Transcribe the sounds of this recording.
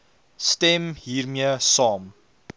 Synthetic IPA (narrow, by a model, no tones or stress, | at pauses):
stɛmɦiːrmiəsɑːm